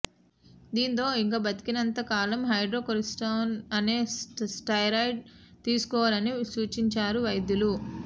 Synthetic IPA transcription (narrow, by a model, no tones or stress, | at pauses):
d̪iːnt̪o̞ːiŋkaːbɐt̪i̥kinɐnt̪ɐkaːlɐmɦɐjɖɾoːkoɾisʈoːnɐneːsʈɐjɾɐjɖ̚ | t̪iːsu̥kɔːʋaːlɐnisuːt͡ʃiɲt͡ʃaːɾuʋɐjd̪julu